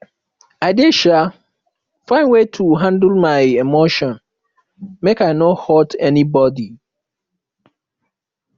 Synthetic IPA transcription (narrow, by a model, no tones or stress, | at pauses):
aɪdeʃa | fãɪ̃nwetʰuɦãndl̩maɪemoʃɔ̃n | mekaɪnɔhɔtɛnibɔdi